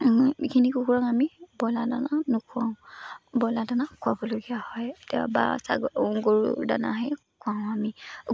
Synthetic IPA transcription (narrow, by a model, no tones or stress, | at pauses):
ikʰinikukuɹaŋamibɔladananʊkʰʊãʊ̃bɔladanakʰʊabɔloɡijahɔjtɛba̰sa̰ɡɔŋɡɔɹda̰na̰ɦɛ | kʰuãʊ̃ami